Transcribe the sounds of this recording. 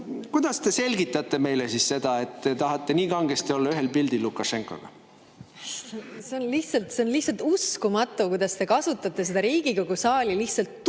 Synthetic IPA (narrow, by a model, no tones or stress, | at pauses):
kud̪̥ɑst̪e̞se̞lʲɡit̪ˑːɑt̪ːˑe̞me̞jlesisse̞d̪̥ɑe̞t̪ːet̪ɑɦɑt̪ːˑeniːkɑŋɡ̥est̪io̞lːɑyɦelpild̪ilːukˑːɑʃe̞ŋkˑo̰ɡ̥ɑ̰ | se̞onliht̪sɑlt̪se̞onlihtsɑlt̪uskumɑt̪ːˑukujd̪ɑst̪e̞kɑsut̪ːˑɑt̪ːˑe̞sed̪ɑɾiːɡ̥ikoɡ̥usɑːlʲiliht̪sɑlt̪ː